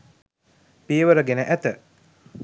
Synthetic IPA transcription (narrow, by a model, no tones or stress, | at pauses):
piəʋəɾəɡenəʔæt̪ə